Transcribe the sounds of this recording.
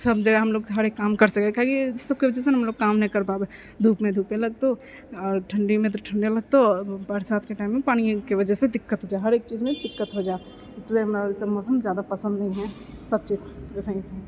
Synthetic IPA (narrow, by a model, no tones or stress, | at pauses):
səbd͡ʒɐɡɛɦɐmloːɡɦɐɾeːkːaːmkɐɾsɐkekaɦkisɐb̚keʋəd͡ʒɛseɦɐmloːɡkaːmnɐɦĩkɐɾpaːbe | d̪ʱuːpmẽd̪ʱuːpẽlɐɡ̚t̪o | ɔːɾʈʰəɳɖimẽt̪̬oʈʰə̃ɳɖelɐɡ̚t̪obəɾsaːt̪ʰkeʈaːɪmːẽpaːɽ̃ikeʋɐd͡ʒəsed̪ɪkːət̪ɦod͡ʒaːeɦɐɾeːk̚t͡ʃiːzmẽd̪ɪkːət̪ɦod͡ʒaːe | ɪsliemɪsəmɔːsəmzjaːd̪apɐsə̃nd̪nɐĩɦɛ̃ | sɐb̚t͡ʃiːzɪsaĩt͡ʃa